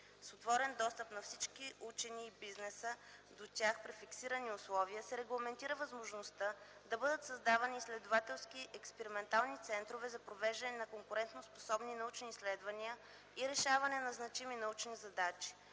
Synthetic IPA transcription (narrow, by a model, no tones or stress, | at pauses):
sot̪vɔɾɛnd̪ɔst̪əpnɐfsit͡ʃkiʔut͡ʃɛniːbiznɛsəd̪ot̪ʲjaxpɾifiksiɾəniʊslˠɔviəsɛɾɛɡlˠɐmɛnt̪iɾəvɐzmoʒnost̪ə | d̪ɐbɤd̪ət̪sɐzd̪avɐniːslɛd̪ovat̪ɛlˠskiʔɛkspɛɾimɛnt̪alˠnit̪sɛnt̪ɾovɛzɐpɾovɛʒd̪ɐnɛnɐkoŋkʊɾɛnt̪nospo̥sɔbninɐut͡ʃniːslɛd̪vɐniə | iɾɛʃavɐnɛnɐznɐt͡ʃiminɐut͡ʃnizɐd̪at͡ʃi̥